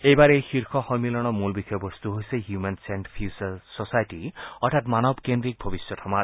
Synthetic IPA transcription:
ejbaɾejxiɾkʰɔxɔjmilɔɽ̃ɔmulbixʰɔjɔbɔst̪uɦojseɦjumensenʈpʰjussɔsajʈiɔʈʰat̪manɔbkend̪ɾik̚bʱɔbisjɔtʰɔma

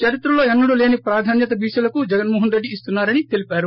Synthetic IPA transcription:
t͡ʃɐɾit̪ɾɐlo̞ːenːuɽule̞ːnipɾaːd̪ʱaːnjɐt̪ɐbiːʃɐlɐkud͡ʒɛɡɐnmoːɦɐnɾeɖːiːst̪unːaːɾɐnit̪e̞lipaːɾu

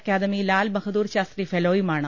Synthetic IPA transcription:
kaːd̪əmiːlaːlbɐkʰd̪uːɾʃaːst̪ɾiːfʰeloːimaːɳɐ

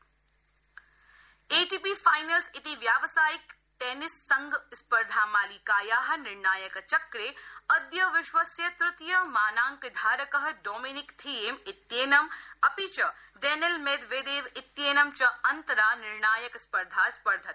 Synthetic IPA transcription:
eːʈiːpifaːjnɐlsɪt̪iʋjaːʋsaːjik | ʈeːnɪsːɐŋɡspɐɾd̪ʱaːmaːliːkaːjaːɦɐnɪɾɳaːjɐkt͡ʃɐkɾeːɐd̪jɐʋɪʃʋɐsjɐt̪ɾʊt̪jɐmaːnaːŋkd̪ʱaːɾɐkɐɦɐɖoːminɪkt̪ʰieːmɪt̪jeːnɐmɐpit͡ʃɐ | ɖeːnelmeːd̪ʋeːd̪eːʋɪt̪jeːnɐmt͡ʃɐɐnt̪ɐɾaːnɪɾɳaːjɐkspɐɾd̪ʱaːspɐɾd̪ʱɐt̪

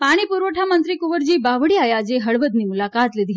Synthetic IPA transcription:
paɽ̃iːpuɾʋəʈʰamənt̪ɾiːkuʋəɾd͡ʑiːbaʋɽiːajad͡ʑeɦəɭʋəd̪niːmulakat̪lid̪ʱi

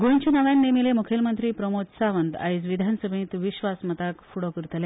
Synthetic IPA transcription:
ɡoɲt͡ɕənaʋjanːemilemukʰelmənt̪ɾiːpɾəmod̪saʋənd̪a̰isʋid̪ʱansəbʱĩt̪ʋiɕʋasmət̪akfuɽokəɾt̪əle

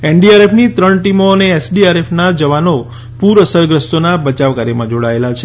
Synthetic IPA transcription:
eɳɖiaɾefʰnit̪ɾəɳʈimoəneesɖiaɾefʰnad͡ʒəʋano | puɾəsəɾɡɾəst̪onabət͡ʃaʋkaɾjemãd͡ʒoɽaelat͡ʃʰe

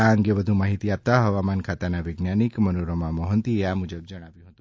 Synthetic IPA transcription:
aəŋɡeʋəd̪ʱũmaɦit̪iap̚t̪aɦəʋamankʰat̪anaʋɪɡnanikmənoɾəmãmɔɦənt̪ieamud͡ʒəb̚d͡ʒəɽ̃aʋjũɦət̪ũ̥

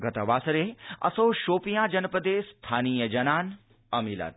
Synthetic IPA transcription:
ɡɐt̪ɐʋaːsɾeɐ̰soːʃoːpijãːd͡ʒɐnpəd̪eːst̪ʰaːniːjɐd͡ʒɐnaːn | ɐmila̰t̪̚

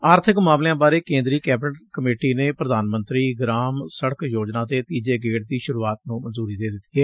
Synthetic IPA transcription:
aːɾt̪ʰɪkmaːmlejãːbaːɾeːkẽːnd̪ɾiːkɛːbɪnəʈkəmeːʈiːneːpɾəd̪aːnmə̃nt̪ɾiːɡɾaːmsəɽəkjoːd͡ʒnãːt̪eːt̪iːd͡ʒeːɡeːʈ̚d̪iːʃʊɾuːaːt̪nũːmə̃nzuːɾiːd̪eːd̪ɪt̪iɛː

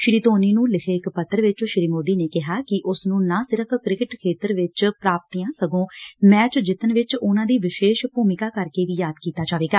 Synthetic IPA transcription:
ʃɾiːt̪oːniːnũːlɪkʰeːɪkpət̪ːəɾʋɪt͡ʃʃɪɾiːmoːd̪iːneːkɪɦaːkɪʔʊsnũːnãːsɪɾəpʰkɾɪkɪʈkʰeːt̪əɾʋɪt͡ʃpɾaːp̚t̪ijãːsəɡõːmɛ̃ːt͡ʃd͡ʒɪt̪ənʋɪt͡ʃʊnãːd̪iːʋɪʃeːʃpuːmɪkaːkəɾkeːʋiːjaːd̪kiːt̪aːd͡ʒaːʋeːɡaː

